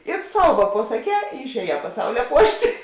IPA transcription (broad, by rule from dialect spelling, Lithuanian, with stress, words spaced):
ɪr ˈsɐʊ ʋɐ pɐsɐˈkʲɛː ɪr ɪʃʲɛːˈjɛː pɐˈsɐʊlʲɛ ˈpuɔʃʲtʲ